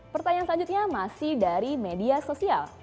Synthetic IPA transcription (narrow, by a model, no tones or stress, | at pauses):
pərt̪aɲaŋsəlaɲd͡ʒut̪̚ɲamasɪhdaɾimediasosia̰l